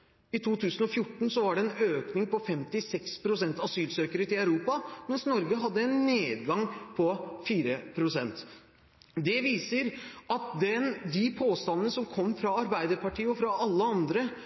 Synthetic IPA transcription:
ɪt̪ʰuːt̪ʰʉːsənɔfjʊʈːɳ̩sɔʋɑɖɛɛnøːknɪŋpɔfɛmt̪ɪsɛkspʰɾʊsɛnt̪ɑsyːlsøːkəɾət̪ɪlɑʉɾuːpɑmɛnsnɔɾɡəɦɑd̪ːəɛnːeːd̪ɡɑŋpʰɔfiːɾəpʰɾʊsɛnt̪ | d̪ɛʋiːsəɾɑt̪̚d̪ɛnd̪ɪpʰoːst̪ɑnənəsɔmkʰɔmːfɾɑɑɾbæɪd̪əɾpɑʈiːəɔfɾɑʔɑlːəɑnd̪ɾə

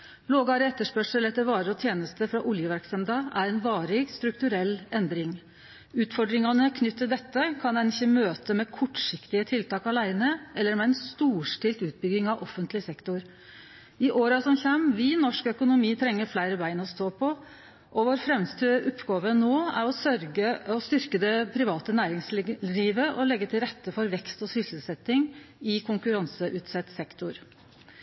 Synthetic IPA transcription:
loːɡɑɾəɛt̪ːəʂpœʂəlɛt̪ːəɾʋɑːɾəɾɔt̪ʰjeːnəst̪əfɾɑʔʊljəʋæɾksɛmd̪ɑæɾɛnʋɑːɾɪɡst̪ɾʉkt̪ʉɾɛlːɛnd̪ɾɪŋ | ʉːt̪fɔɖɾɪŋɑnəkʰnʏt̪ʰːəd̪ɛt̪ːəkʰɑnd̪ɛnɪçːəmøːt̪əmɛkʰɔʈːʂɪkt̪ɪət̪ʰɪlt̪ɑːkɑlæɪnəɛlːəɾmɛɛnst̪uːʂʈɪlt̪ʉːt̪̚bʏɡɪŋɑʋʔɔfːənt̪lɪsɛkt̪ʊɾ | ɪʔoːɾɑsɔmçæmːʋɪnɔʂkœkʊnʊmiːt̪ʰɾɛŋːəɾflæɪɾəbæɪnɔst̪oːpʰɔ | ʔɔʋoːɾfɾɛmst̪yːʔʊpːɡɑːʋənoːæ̰ɾɔsœɾɡəɔst̪ʏɾkəd̪ɛpʰɾɪʋɑːt̪ənæːɾɪŋsliːʋəʔɔlɛɡːət̪ʰɪlɾɛt̪ːəfɔɾʋɛkst̪ɔsʏsəlsɛt̪ːɪŋɪkʰʊŋkʉɾɑnsəʔʉːt̪sɛt̪ːsɛkt̪ʊɾ

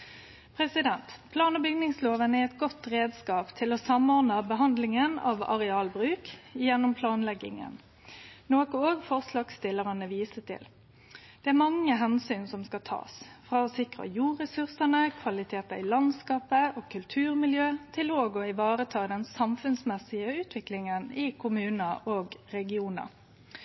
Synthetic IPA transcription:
pʰʁɛsɪd̪ɛnt̪pʰlɑːnɔbʏɡnɪŋsloːʋənæɛt̪ɡɔt̪ʁeːd̪skɑːpt̪ʰɪlɔsɑmɔʁnɑbəɦɑnd̪lɪŋənɑ̰ʋɑ̰ʁɛɑːlbʁʉːkjɛnːʊmpʰlɑːnlɛɡɪ̰ŋə̰n | noːkʊoːɡfɔʁslɑkst̪ɪlːəʁɑnəʋiːsət̪ʰɪ̰l | d̪̥ɛæʁmɑŋːəɦɛnsyːnsɔmskɑt̪ʰɑ̰ːsfʁɑːɔsɪkʁə̰juːʁɛsʉʁsənəkʰʋɑlɪt̪ʰeːt̪əɪlɑnskɑːpəoːkʰʉlt̪ʰʉːʁmɪljøːt̪ʰɪloːɡɔɪʋɑːɾət̪ʰɑːd̪ɛnsɑmfʉnsmɛsɪəʉːt̪ʰʋɪklɪŋənɪkʰʊmʉːnəʔoːɡɾɛɡɪuːnə̰

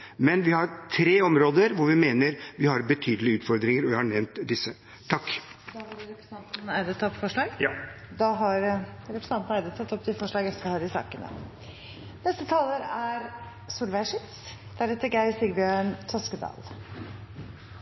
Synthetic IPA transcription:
mɛnʋɪhɑɾt̪ʰɾeːɔmɾoːd̪əɾʋʊɾʋɪmeːnəɾʋɪhɑɾbət̪ʰyːd̪əlɪʉːt̪fɔɾd̪ɾɪŋəɾɔʋɪhɑɳɛʋnt̪d̪ɪsːə | t̪ʰɑkːd̪ɑʋɑɾɾɛpɾəsɑnt̪n̩æɪd̪ət̪ʰɑpfɔʂɭɑːɡjd̪ɑɦɑɾɾɛpɾəsɑnt̪n̩æɪd̪ət̪ʰɑt̪ːɔpt̪ʰɪfɔʂɭɑːɡɛft̪əɾɔhɑːɾɪsɑ̰ːkənə̰ | nɛst̪ət̪ʰɑːləɾæɾ | suːlʋæɪʂɪt̪s | d̪̥æɾhɛt̪ːəɾɡæɪsɪɡbjøːɳt̪ʰɔskəd̪ɑ̰ːl

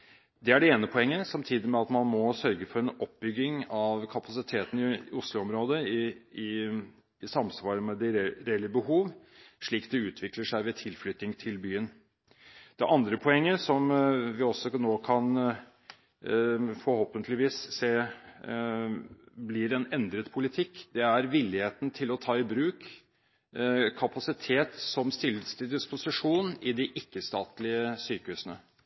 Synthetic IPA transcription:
d̪ɛæɖɛeːnəpʰɔɛŋːəsɑmt̪ʰiːd̪ɪmɛɑt̪mɑnmɔsœɾɡəfɔɾɛnɔp̚bʏɡːɪŋɑʋkʰɑpɑsɪt̪ʰeːt̪n̩ɪʊslʊɔmɾoːd̪əɪɪ | ɪsɑmsʋɑːɾəmɛd̪ɛɾeːlɪəbəhuːʋ | ʂɭiːkd̪ɛʉːt̪ʰʋɪkləʂæɪʋɛt̪ʰɪlflʏt̪ɪŋt̪ʰɪlbyːən | d̪̥ɛʔɑnd̪ɾəpʰɔɛŋːəsɔmʋɪɔsːɔnoːkʰɑn | fɔɾhoːpənt̪ʰlɪʋiːsːeː | blɪɾɛnɛnd̪ɾət̪pʰʊlɪt̪ʰɪkːd̪ɛæɾʋɪlːɪheːt̪nt̪ʰɪlɔt̪ʰɑːɪbɾʉːk | kʰɑpɑsɪt̪ʰeːt̪sɔmst̪ɪləst̪ɪd̪ɪspʊsɪʂuːnɪd̪ɪʔɪkːəst̪ɑːt̪lɪəsyːkəʉsənə

